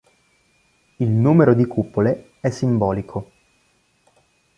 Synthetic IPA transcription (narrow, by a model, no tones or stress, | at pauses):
ilnuːmeɾod̪ikupːole | ɛsːimbɔːlikʰo